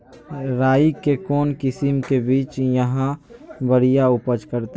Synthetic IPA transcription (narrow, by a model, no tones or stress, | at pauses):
ɾaːikekoːnkɪsimkebiːt͡ʃjəɦãbəɽijaʊpəd͡ʒkəɾt̪